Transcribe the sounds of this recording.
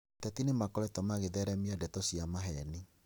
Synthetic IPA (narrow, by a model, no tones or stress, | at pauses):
ttɛtinemakɔɾɛtɔmaɣeðɛɾɛmiadɛtɔsiamaɦɛni